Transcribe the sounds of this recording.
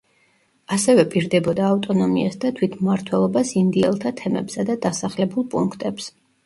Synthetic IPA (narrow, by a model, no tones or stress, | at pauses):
asɛvɛpʼiɾd̪ɛbɔd̪aːft̪ʼɔnɔmḭasd̪at̪ʰwit̪ʰmmaɾt̪ʰwɛlˠɔbasind̪iɛ̰lˠt̪ʰat̪ʰɛmɛ̰bsad̪ad̪asaχlɛbulˠpʼuŋkʰt̪ʼɛps